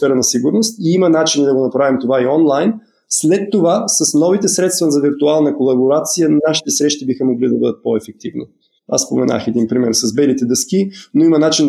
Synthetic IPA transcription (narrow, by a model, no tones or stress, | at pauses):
fɛɾənɐsiɡʊɾnost̪iimɐnat͡ʃinid̪ɐɡonɐpɾavimt̪ovaiɔnlˠajn | slɛt̪ːovasɐsnɔvit̪ɛsɾɛt̪st̪vəzɐviɾt̪ualˠnəkolˠɐboɾat̪sijənnaʃi̥t̪ɛsɾɛʃt̪ibixəmoɡlid̪ɐbɤd̪ət̪̚pɔɛfɛk̚t̪ivnḭ | a̰sspomɛna̰xɛd̪inpɾimɛɾsɐzbɛlit̪ɛd̪əskinoimɐnat͡ʃin